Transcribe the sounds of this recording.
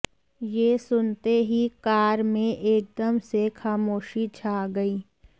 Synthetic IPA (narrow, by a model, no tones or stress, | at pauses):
jeːsʊnt̪eɦikaːɾmẽʔeːk̚d̪əmsexaːmoːʃit͡ʃʰaːɡəiː